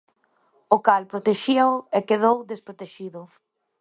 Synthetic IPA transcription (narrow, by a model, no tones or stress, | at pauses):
ʊkalpɾot̪eʃiaʊekeðowd̪espɾot̪eʃiðʊ